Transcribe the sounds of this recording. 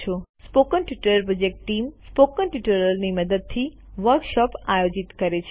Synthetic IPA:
ospokənʈjuʈəɾpɾəd͡ʒekʈʈimspokənʈuʈəɾəlniməd̪əd̪̚t̪ʰi | ʋəɾkʃɔpajod͡ʒit̪kəɾet͡ʃʰ

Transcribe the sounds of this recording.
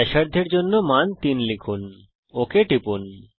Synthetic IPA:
ɛʃaɾd̪ʱeɾd͡ʑonːomant̪inlikʰun | okeʈipun

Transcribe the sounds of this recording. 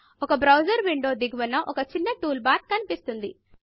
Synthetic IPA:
ɔkɐbɾɐwd͡ʒɐɾʋiɳɖo̞ːd̪iɡʋɐnːɐʔɔkɐt͡ʃinːɐʈuːlbaːɾt̪̚kɐnipist̪und̪i

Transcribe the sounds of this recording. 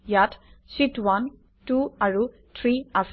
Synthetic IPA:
jatʰsitwan | tuaɹu | t̪ʰɹiaf

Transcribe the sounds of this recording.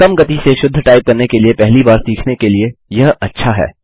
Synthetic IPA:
kɐmɡɐt̪iseʃʊd̪ʱːəʈaːɪp̚kɐɾnekeliepɛɦlibaːɾsiːkʰnekeliejɐɦɐtːʃʰaɦɛ̰ː

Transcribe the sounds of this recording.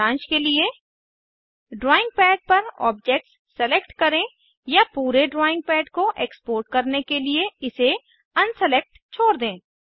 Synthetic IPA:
ãːt͡ʃkelie | ɖɾɔːɪ̃ŋɡ̚pɛːɖ̚pɐɾɔ̰ːp̚d͡ʒeːk̚ʈsːɛlekʈkɐɾẽ | japuːɾeɖɾɔːɪ̃ŋɡ̚pɛːɖkoʔeːkspoːɾʈkɐɾnekelieɪse | ɐ̃nsɛlek̚ʈ | t͡ʃʰoːɾd̪ẽː

